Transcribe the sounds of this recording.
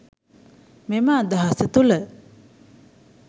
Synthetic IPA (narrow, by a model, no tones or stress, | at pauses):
memaːd̪aɦɐsət̪ulə